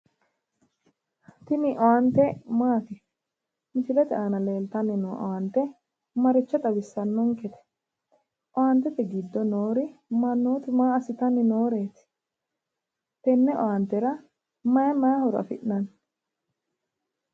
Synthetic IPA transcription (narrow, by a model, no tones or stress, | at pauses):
t̪ɪnɪʔɔant̪ɛmaːt̪ɪ | mɪt͡ʃɪlɛt̪ɛʔanɐle̞ːlt̪ɐnːɪnuːʔɔ̰ant̪ɛ | mɐɾɪt͡ʃːɐt̪ʼɐwɪsːɐnːɔŋkɛt̪ɛ̥ | ʔɔaːnt̪ɛt̪ɛɡɪd̪ːɔnoːɾɪmɐnːoːt̪ɪmaːɐsɪt̪ɐnːɪnoːɾeːt̪ɪ̥ | t̪ɛnːɛʔɔ̰ant̪ɛɾɐ | mɐjɐmɐjɐhɔɾɐ̰fɪ̰ʔnɐn